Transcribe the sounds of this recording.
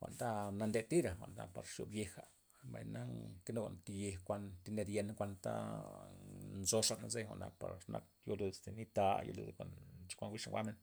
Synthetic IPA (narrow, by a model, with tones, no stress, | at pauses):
xʷa˨nt̪a˦na˧nd̪e˧t̪i˦ɾa˨xʷa˨na˨pa˨ɾʃo̰˨bje˧xa˨ | ba˨jna˦ke˦no˧nt̪i˧je˧hkʷa˧nt̪i˧˦ne˧d̪je˧nkʷa˧nt̪a̰˦ | nzo˧ʂa˧ʔna˧ze˦xʷa̰˨ʔna̰˨pa˨ɾʂnʔa̰˧k̚ | jo˦lu˧d̪st̪e˨ni˦t̪a˧jo̰˦˧lṵ˧d̪kʷa˨nt͡ʃi̥˦kʷa˧nwi˦ʂŋɡʷa̰˦me˧n